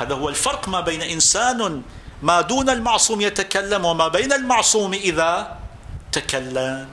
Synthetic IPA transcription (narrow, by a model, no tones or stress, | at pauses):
haːðahʊwːalfɑɾˤqmaːbajnaʔɪnsaːn | maːd̪uːnalmɑʕsˤuːmjat̪akalːamwɪmaːbajnalmɑʕsˤuːmʔɪða | t̪akalːam